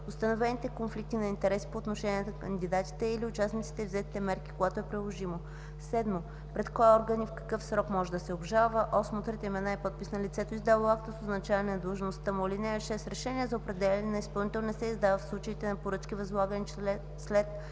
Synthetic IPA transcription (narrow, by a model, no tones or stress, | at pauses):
ʊst̪ɐnovɛnit̪ɛkonflik̚t̪inɐint̪ɛɾɛsi̥poːt̪noʃɛniɛt̪ɐkənd̪id̪at̪i̥t̪ɛiliʊt͡ʃasnit̪si̥t̪ɛvzɛt̪i̥t̪ɛmɛɾki̥koɡat̪oɛpɾilˠoʒimo | sɛd̪mo | pɾɛt̪kɔjɛɔɾɡənifkɐ̥kɤfsɾɔkmɔʒɛd̪ɐsɛobʒalˠvəʔɔsmot̪ɾit̪ɛimɛnaɛpɔt̪̚pisnɐlʲit̪sɛt̪oizd̪avakt̪əsoznɐt͡ʃavɐnɛnɐd̪əlˠʒnost̪əmoilinɛɛʃɛst̪ɾɛʃɛniəzɐopɾɛd̪ɛlʲɛnɛnɐispɐlˠnit̪ɛlˠnɛsɛizd̪avəfslˠut͡ʃəit̪ɛnɐpoɾɤt͡ʃkʲivɐzlˠaɡəni | slɛt̪